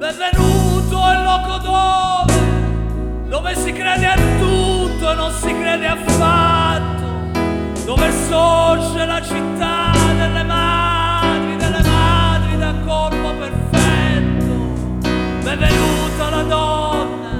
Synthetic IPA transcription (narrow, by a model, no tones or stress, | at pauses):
bɛɱvenut̪oɛlːɔkod̪ove | d̪oːvesikɾɛːd̪eat̪ːut̪ːoenːonsikɾɛːd̪eafat̪ːo | d̪oːvesod͡ʒelat͡ʃit̪ːad̪elːemad̪ɾid̪elːemaad̪ɾid̪akːorpoperfɛt̪ːo | beɱvenut̪alad̪ɔnːa